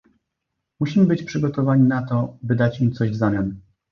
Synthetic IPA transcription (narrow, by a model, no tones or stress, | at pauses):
muɕimɘbɘt͡ɕpʂɘɡɔt̪ɔvaɲinat̪ɔbɘd̪at͡ɕimt̪sɔʑvzamʲjan